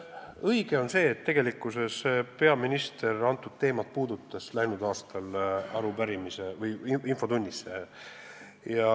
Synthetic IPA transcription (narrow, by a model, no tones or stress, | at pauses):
ɤjɡ̥e̞o̞nse̞ːt̪ːe̞ɡ̥e̞likːˑuse̞spe̞ɑminist̪e̞rɑnt̪ːˑud̪̥̚t̪e̞ːmɑt̪̚puːd̪ut̪ːˑɑslæjnud̪ɑːst̪ɑlɑɾubæɾimise̞vɯjiinfo̞t̪unʲːise̞ | jɑ